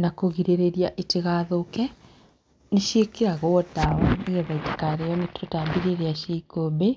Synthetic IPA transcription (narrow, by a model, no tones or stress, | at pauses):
nakoɣiɾeɾeɾiaʔeteɣaːðokɛ | neʃekeɾaɣodaɔniɣɛβaitekaɾejɔmetɾotambiɾeɾeaʃeikobe